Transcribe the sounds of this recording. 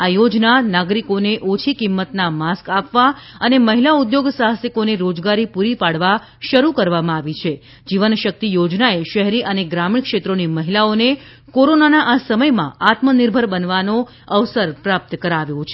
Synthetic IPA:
ajod͡ʒnanaɡɾikoneʔot͡ʃʰikimːət̪namaskapʋaəneməɦilaud̪joɡsaɦəsikoneɾod͡ʒɡaɾipuɾipaɽʋa | ʃəɾukəɾʋamãaʋit͡ʃʰe | d͡ʒiʋənʃək̚t̪ijod͡ʒnaeʃəɦɾiʔəneɡɾamiɳkʃet̪ɾoniməɦilaone | koɾonanaʔasəməjmã̰at̪məniɾbʱəɾbənʋano | əʋsəɾpɾap̚t̪əkəɾaʋjõt͡ʃʰe

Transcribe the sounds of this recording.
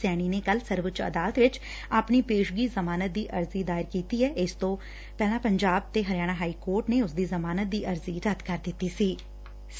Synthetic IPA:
sɛːɽ̃iːneːkəlsəɾʋət͡ʃə̰d̪aːlət̪ʋɪt͡ʃ | aːpniːpeːʃɡiːzəmaːnət̪̚d̪iːʔəɾziːd̪aːɪɾkiːt̪iːɦɛːɪst̪õ | pɛːlãːpəɲd͡ʒaːb̚t̪eɦəɾjaːɽ̃ãːɦaːiːkoːɾʈneʊsd̪iːzəmaːnət̪̚d̪iːʔəɾziːɾət̪kəɾd̪ɪt̪ːiːsiː

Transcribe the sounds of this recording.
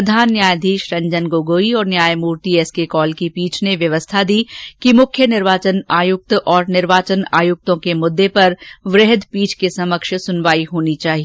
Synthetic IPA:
ɐd̪ʱaːnːjaːjd̪ʱiːʃɾɐ̃ɲd͡ʒənɡoːɡoːiɔːɾnjaːjmuːɾt̪iɛːskekɔːlkipiːt͡ʃʰneʋjɐʋəst̪ʰad̪iːkimʊkʰjənɪɾʋaːt͡ʃənaːjʊk̚t̪ɔːɾnɪɾʋaːt͡ʃənaːjʊk̚t̪õkemʊd̪ːepɐɾʋɾeɦd̪piːt͡ʃʰkesɐməkʃsʊnʋaːiɦoːnit͡ʃaːɦie

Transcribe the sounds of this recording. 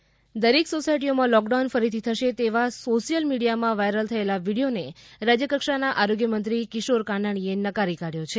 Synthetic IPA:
d̪əɾeksosajʈ̬iomãlɔkɖawnfəɾit̪ʰit̪ʰəʃet̪eʋasoʃijəlmiɽijamãʋajɾəlt̪ʰəelaʋiɽijoneɾad͡ʒjəkəkʃanaʔaɾoɡjəmənt̪ɾikɪʃoɾkanaɽ̃ienəkaɾikaɽjot͡ʃʰe

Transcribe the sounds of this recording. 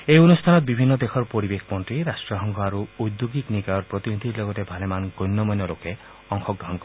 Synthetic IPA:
ejonust̪ʰanɔt̪̚bibʱinːɔd̪exʰɔɾpoɾibekʰpɔɳʈɾiɾasʈɾɔɦɔŋɡʰʱɔaɾuujd̪joɡiknikajɔɾpɾɔt̪inid̪ʱiɾlɔɡɔtebʱalemanɡojnːɔmɔnːɔloke | ɔŋxʰɔk̚d̪ɔɦɔnkɔɾ

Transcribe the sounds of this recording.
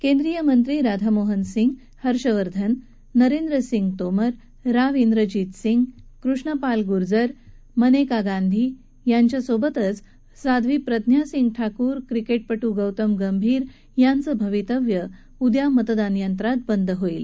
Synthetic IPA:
kẽnd̪ɾijəmənt̪ɾiːɾad̪ʱamoɦənsiŋɡ | həɾɕəʋəɾd̪ʱənː | əɾend̪ɾəsiŋɡt̪oməɾː | aʋind̪ɾəd͡ʑiːt̪siŋɡkɾuʂɳəpalɡuɾd͡zəɾ | mənekaɡãnd̪ʱi | jaɲt͡ɕjasobət̪ət͡s | sad̪ʱʋiːpɾəd̪ʱnjasiŋɡʈʰakuːɾkɾikeʈ̚pəʈuɡəwt̪əmɡəmbʱiːɾ | jant͡səbʱəʋit̪əʋjə | ud̪jamət̪d̪anjənt̪ɾat̪̚bənd̪ʱɦoil

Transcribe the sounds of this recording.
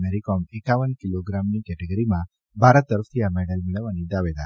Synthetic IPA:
meɾikomekaʋənkiloɡɾamnikɛʈeɡəɾimã | bʱaɾət̪ːəɾəft̪ʰiameɽəlmiɭəʋːanid̪aʋed̪a

